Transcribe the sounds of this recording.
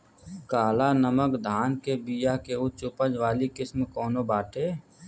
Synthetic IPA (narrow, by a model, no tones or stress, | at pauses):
kaːlanəməkd̪ʱaːnkebijakeʊt͡ʃʊpəd͡ʒʋaːlikɪsmkɔːnobaːʈʰeː